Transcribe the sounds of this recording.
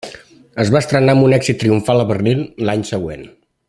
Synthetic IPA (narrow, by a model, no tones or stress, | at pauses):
əzβaəst̪ɾənaəmbunɛɡz̥it̪ːɾiuɱfalˠəβərnilˠlaɲsəɣwḛn